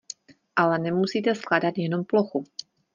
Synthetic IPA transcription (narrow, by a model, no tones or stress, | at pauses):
ʔalɛnɛmusiːt̪ɛskladat̪jɛno̞mploxu